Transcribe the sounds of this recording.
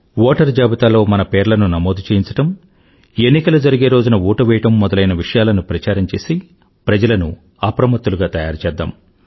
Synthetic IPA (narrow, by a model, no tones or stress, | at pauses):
ʋɔːʈɐɾd͡ʒaːbit̪aːlo̞ːmɐnɐpeːɾlɐnunɐmoːd̪ut͡ʃeːjiɲt͡ʃɐ̥ʈɐm | enːikɐlɐd͡ʒɐɾiɡeːɾoːd͡ʒunɐuːʈɐʋɛːɐʈɐmːɔd̪ɐlɐjnɐʋiʂɐjaːlɐnupɾɐt͡ʃaːɾɐɲt͡ʃe̞ːsi | pɾɐd͡ʒɐlɐnu | apɾɐmɐt̪ːuluɡaːt̪ɐjaːɾt͡ʃɛːd̪ːa̰ːm